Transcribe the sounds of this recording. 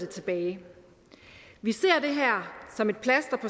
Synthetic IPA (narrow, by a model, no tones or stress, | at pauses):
et͡sʰe̝b̥ɛːɪ | ʋise̝̰ɐ̰d̥e̝ɦæɐ̰sɒ̽me̝d̥̚pʰlæsd̥ɐpʰɒ̽